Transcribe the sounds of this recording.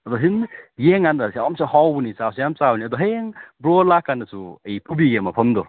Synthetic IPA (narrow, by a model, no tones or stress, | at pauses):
ɐd̪ɔɦinjeŋandaswamsehɔwbunisawsejamsabniɐd̪ɔɦeŋbɾɔlakːandɐsuɐjpʰubiɡemapʰɐmd̪ɔ